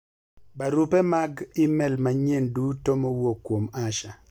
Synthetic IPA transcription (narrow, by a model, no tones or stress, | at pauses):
baɾupɛmaɡɪmɛlmaɲendutomowokːwomaʃa